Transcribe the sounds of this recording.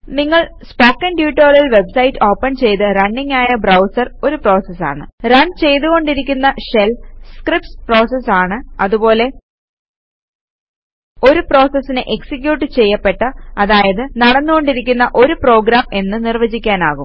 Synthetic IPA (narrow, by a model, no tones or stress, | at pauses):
niŋːɐɭ | spo̞ːkːɐnɖjuːʈːoːrjɐlʋe̞bsɐjitːɨo̞ːpːɐnt͡ɕe̞jt̪ɨrɐɳːiŋːaːjɐbrɐwsɐro̞ɾupro̞ːsɐsa̰ːɳɨ̰rɐɳt͡ɕe̞jt̪uɣo̞ɳɖiɾikʲːunːɐɕelskripspro̞ːsɐsaːɳɨɐðubo̞ːle̞ | o̞ɾupro̞ːsɐsːinɨʔeksik̬ʲjuːʈːɨt͡ɕe̞jːɐpːe̞ʈːɨɐðaːjɐðɨnɐɽɐnːuɣo̞ɳɖiɾikʲːunːɐʔo̞ɾupro̞ːɡɾaːme̞nːɨnirʋɐd͡ʑikʲːaːna̰ːɣum